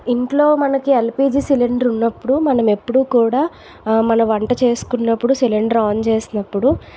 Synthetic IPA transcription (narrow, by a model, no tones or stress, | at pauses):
iɳʈlo̞ːmɐnɐkielpiːd͡ʒiːsiliɳɖɐɾunːɐpːuɽumɐnɐme̞pːuɽukuːɽaː | mɐnɐʋɐɳʈɐt͡ʃe̞ːsu̥kunːɐpːuɽusiliɳɖɐɾaːnt͡ʃe̞ːsinɐpːuɽu